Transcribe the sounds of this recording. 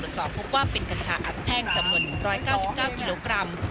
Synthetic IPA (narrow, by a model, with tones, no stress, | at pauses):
u˩ət̪̚sɔ̰ː˨˩˦pʰːo˦˥p̚waː˥˩pe˧nka˧nt͡ɕʰaː˨˧˥ʔa̰ː˨˩˦nt̪ʰɛː˥˩ŋt͡ɕa˧mnu˨˩ənːɯ˨˩ŋɾɔː˦˥jkaː˥˩wsi˨˩p̚kaː˥˩wki˧loː˧kɾa˧m